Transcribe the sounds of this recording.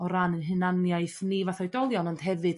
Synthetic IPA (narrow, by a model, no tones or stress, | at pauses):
ɔɾanənɦɨnanjajθnivaθɔjdɔlˠjɔnɔnd̥ɦɛvɨd̥